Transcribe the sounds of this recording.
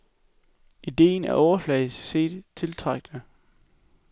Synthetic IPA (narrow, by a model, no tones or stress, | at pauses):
ʔid̥e̝̰ːnæɐʔɒʊɐflɛ̰ɪsse̝̰ːd̥t͡sʰe̝lt͡sʰʁɑɡ̥̚nə